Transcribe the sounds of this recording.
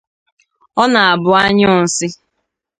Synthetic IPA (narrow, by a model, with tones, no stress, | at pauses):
ɔ˦na˨a˨bʊ˨a˦ɲʊ˦˨n̩˨sɪ˦